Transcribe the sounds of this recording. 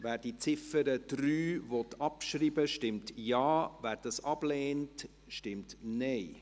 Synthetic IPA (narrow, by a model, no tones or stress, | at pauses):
væːɾd̥it͡sɪfəɾəd̥ɾyːvɔtʰɑpʃɾiːbəʃtɪmtjɑːvæːɾd̥ɑsɑb̥leːnt | ʃtɪmtnɛɪ